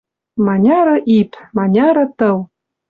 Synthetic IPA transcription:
mɑnʲɑɾɤ̆ʔipmɑnʲɑɾɤ̆t̪ɤ̆w

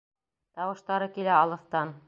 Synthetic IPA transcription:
t̪ɑwɤ̆ʃt̪ɑɾɤkilæɑlˠɤ̆θt̪ɑn

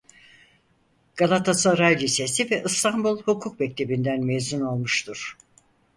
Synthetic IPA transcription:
ɡ̥alˠat̪ʰasaɾajlʲise̞sivɛʔɯst̪ʰanbulˠhukʰuk̚mɛc̚t̪ʰe̞bind̪ænmezuno̞lˠmuʃt̪ʰuɾ̥

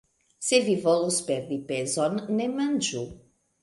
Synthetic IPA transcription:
sevivɔluspeɾd̪ipezɔnːemand͡ʒu

